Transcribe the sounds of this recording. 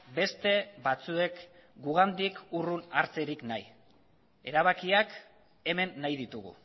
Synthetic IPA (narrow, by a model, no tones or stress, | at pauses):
be̞st̪e̞βat͡sue̞k | ɡuɣ̞and̪ikurunaɾt͡se̞ɾiknaj | e̞̰ɾaβ̞akiak | e̞me̞nːajðit̪uɣṵ